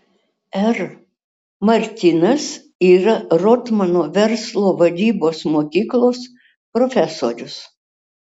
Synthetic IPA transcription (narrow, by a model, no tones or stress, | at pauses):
ɛɾ | mɐɾʲt̪ʲɪnɐs | iːɾɐɾɔt̪mɐnoːʋʲɛɾslˠoːʋɐd̪ʲiːboːsmoːkʲiːklˠoːs | pɾɔfʲɛsoːɾʲʊs